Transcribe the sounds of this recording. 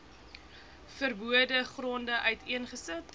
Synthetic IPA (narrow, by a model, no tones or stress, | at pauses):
fərbuədəχrɔndəʔœɥtiənχəsət